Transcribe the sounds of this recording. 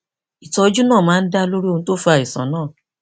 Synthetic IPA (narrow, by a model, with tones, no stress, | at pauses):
i˨tɔ˧d͡ʒu˦nãː˦˨mãː˦˧n̩˦da˦lo˦ɾi˦o˧nũ˦to˦fa˨i˨sã̰˨˦nãː˦˨